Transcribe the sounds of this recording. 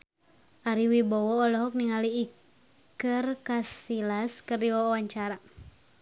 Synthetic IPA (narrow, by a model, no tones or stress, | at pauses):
ʔaɾiwibɔwɔːlɔɦɔk̚niŋaliː | kərkasilaskərdiwɔwaɲt͡ʃaɾa